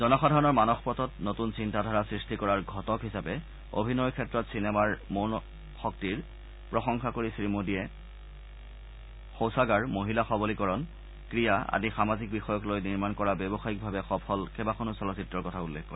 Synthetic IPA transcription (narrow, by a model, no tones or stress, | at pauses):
zɔnɔxadʱaɹɔnɔɹmanɔxpɔtɔtnotunsintadʱaɹasɹistikɔɹaɹɡʱɔtɔkɦisapɛ | o̰bʱinɔjkʰɛtɹɔtsinɛmaɹmon | xɔk̚tiɹ | pɹɔxɔŋxakoɹisɹimodijɛ | xowsaɡaɹmoɦilaxɔbolikɔɹɔn | kɹijaa̰dixamazik̚bixɔjɔklojniɹmankɔɹabɛbɔxaik̚bʱabɛxɔpʰɔlkɛbaxɔnusɔlɔsitːɹɔɹkɔtʰaulːekkɔɹ